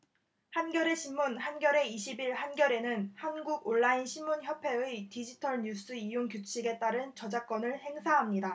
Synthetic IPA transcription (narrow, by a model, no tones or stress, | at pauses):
hanɡjʌɾe̞ɕʰinmunhanɡjʌɾe̞iɕʰibiɭhanɡjʌɾe̞nɯnhanɡuɡoɭːainɕʰinmunçjʌpʰe̞ɯjtid͡ʑitʰʌɭɲus͈ɯijoŋkjut͡ɕ͈ʰiɡe̞t͈aɾɯnt͡ɕʌd͡ʑak͈̚ʌnɯɭhe̞ŋsʰaɦamɲida